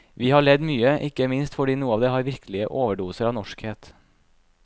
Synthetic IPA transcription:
ʋiːhɑːɭɛd̪myːəʔɪkəmɪnst̪fɔɖiːnuːəɑːʋd̪eːhɑːɾʋɪɾkʰlɪəʔoːʋəɖuːsəɾɑːʋnɔʃkheːt̪

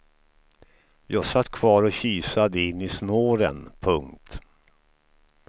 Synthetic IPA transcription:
jɑːɡsat̪ːkʰvɑːɾɔɕyːsad̪əɪnːɪsnoːɾə̰npʰɵŋkt̪

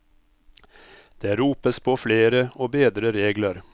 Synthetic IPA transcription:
d̪̥eːɾuːpəspʰoːfleːɾəoːbeːd̪ɾəɾeːɡləɾ

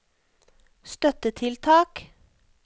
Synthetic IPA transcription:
st̪œt̪ət̪ʰɪlt̪ʰɑːk

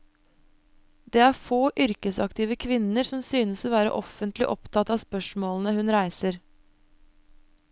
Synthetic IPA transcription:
d̪eːæːɾfoːʔʏɾkəsɑkt̪ʰɪːʋəkʰʋɪnəɾsɔmsyːnəsoːʋæːɾə̰ʔɔfənt̪lɪʔɔpt̪ʰɑt̪ɑːspœʂmoːln̩əhʉnɾæɪsəɾ

